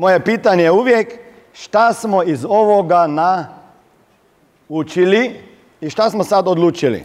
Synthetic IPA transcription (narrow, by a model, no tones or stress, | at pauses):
moːjepiːt̪aɲejuʋjek | ʃt̪asmoizoʋoɡana | ut͡ʃili | iʃt̪asmosad̪od̪luːt͡ʃilḭ